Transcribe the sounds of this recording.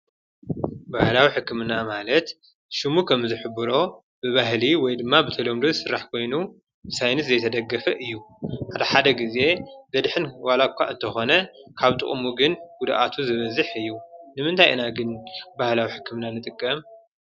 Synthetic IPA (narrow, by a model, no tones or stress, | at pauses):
bahlawiħɨkːɨmɨnːamalɐt̪ | ʃɨmukʰɐmzɨħɨbɨɾo̞ | bɨβaɦliwɔjd̪ɨmːabɨt̪ʰɐlo̞md̪ozsɨɾːaħkʰo̞jnu | bɨsajnɨszɐjt̪ʰɐd̪ɐɡːɐfɐʔɨjːuħad̪ɐħad̪ɐɡize̞bɐd̪ħɨnwalakʰʷːa̰ʔɨnt̪ʰɐxo̞nɐkʰaβt̪ʼɨ̰χʼmuɡɨnɡud̪aʔat̪ʰuzɨβɐzɨħɨjːunɨmɨnt̪ʰajʔɨ̰naɡɨnbahlawiħɨkʰːɨmɨnanɨt̪ʼɨkʼːɐm